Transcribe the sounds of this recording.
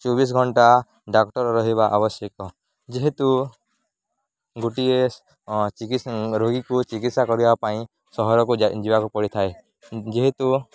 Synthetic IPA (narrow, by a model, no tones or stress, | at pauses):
t͡ʃɔbis̬ɡʱɔɳʈa | ɖakʈɔɾɔɾɔɦibaʔabɔsjɔkɔ | d͡ʒeɦet̪u | ɡuʈies | t͡ʃikiɾoɡikut͡ʃikit̪sakɔɾibapaĩ | sɔɦɔɾɔkud͡ʒibakupɔɽit̪ʰae | d͡ʒeɦet̪u